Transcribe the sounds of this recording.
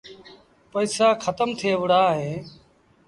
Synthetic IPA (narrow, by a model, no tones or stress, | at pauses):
pəiːsaːkʰət̪əmt̪ʰɪeːʋəɽaːɦeː